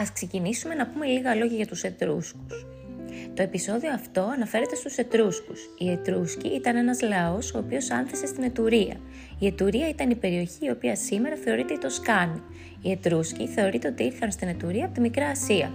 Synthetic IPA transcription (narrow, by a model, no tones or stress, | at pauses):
ɐskse̞cinisume̞nɐpume̞liɣɐlo̞ʝɐʝɐt̪use̞t̪ɾusku̥s | t̪o̞e̞piso̞ðio̞ɐft̪o̞ɐnɐfe̞ɾe̞t̪e̞st̪use̞t̪ɾuskusie̞t̪ɾuscḭʔit̪ɐne̞nɐzlɐo̞so̞ːpio̞sɐnθese̞st̪ine̞t̪uɾiɐ̰ | ie̞t̪uɾiɐit̪ɐnipe̞ɾio̞çiːo̞piɐsime̞ɾɐθe̞o̞ɾit̪e̞it̪o̞skɐni | ie̞t̪ɾusciθe̞o̞ɾit̪e̞ot̪iiɾθɐnst̪ine̞t̪uɾiɐpot̪imikɾɐːsiɐ̰